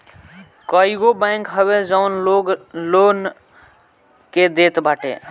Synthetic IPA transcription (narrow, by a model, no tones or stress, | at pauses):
kəiɡobɛŋkɦəbed͡ʒəʊnoɡloːn | ked̪eːt̪baːʈḛː